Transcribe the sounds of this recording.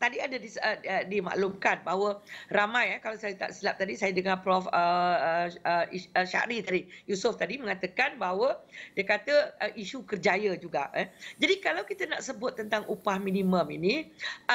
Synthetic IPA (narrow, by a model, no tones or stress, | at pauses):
t̪adiadədisəədima̰ʔlumkanbaɦwəramãjakalawsajət̪a̰ʔsilap̚t̪adisajədəŋapɾɔfə | əiəʃa̰ʔɾit̪adijusʊft̪adimə̃ŋat̪əkanbaɦwədiəkat̪əəʔiʃukərd͡ʒajəd͡ʒuɡaʔəd͡ʒadikalawkit̪ənaʔsəbʊt̪̚ːənt̪aŋʔupahminĩməmḭni